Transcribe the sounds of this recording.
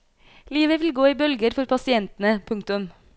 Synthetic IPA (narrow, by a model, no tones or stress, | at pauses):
liːʋəʋɪlɡoːiːbœlɡəɾfɔɾpʰɑsɪɛnt̪n̩əpʰʊŋk̚t̪ʊm